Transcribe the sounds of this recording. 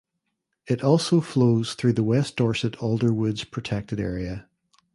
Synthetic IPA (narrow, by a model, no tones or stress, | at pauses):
ɪɾɔlˠsofloz̥θɹʉðəwɛsd̥ɔɹsɨɾoʊlˠdə˞wʊdz̥pʰɹ̥ɨtʰɛk̚tɨɾɛ̰ɹiɨ